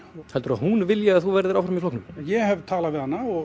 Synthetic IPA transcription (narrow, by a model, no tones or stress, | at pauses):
hɛlt̪ʏɾahunvɪljaaðθuvɛɾðɪɾawfɾamiflɔhknʏmjɛhɛvt̪ʰaːlavɪðhanːaɔɣ